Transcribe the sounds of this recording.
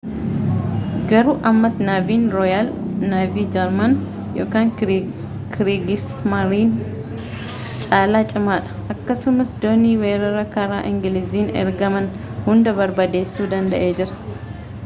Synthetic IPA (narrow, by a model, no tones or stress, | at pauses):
ɡɐɾuːʔɐmːɐsnaːviːnɾɔjɐlnaːviːd͡ʒɛɾmɐn | jo̞̰ːkaːŋ | kʰɾiɡɪsmɐɾiːn | t͡ʃʼaːlaːt͡ʃʼɪmaːᶑɐ̥ʔɐkːɐsʊmɐsd̪oːniːweːɾɐɾɐkɐɾaːʔɪŋɡɪlɪziːnɛ̰ɾɡɐmɐn | hʊnd̪ɐbɐɾbɐd̪eːsːuːd̪ɐnd̪ɐʔe̞ːd͡ʒɪɾɐ̥